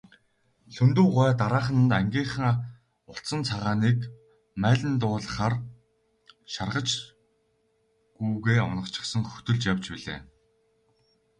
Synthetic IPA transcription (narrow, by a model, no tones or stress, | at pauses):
ɬɵnt̪uːʁœːt̪aɾaːχ̆n̆t̪æŋɡʲiːχə̆ŋ | ʊɬt͡sə̆nt͡sʰaʁaːniːk | mæːɮʲɘ̆nt̪ʊːɮə̆χaːr | ʃarʁə̆t͡ɕ | ɡujɣeːɔ̰nə̆kt͡ɕʰɪ̆sə̆ŋxɵ̥t̪ɵ̆ɮt͡ɕjawt͡ɕpiɮḛː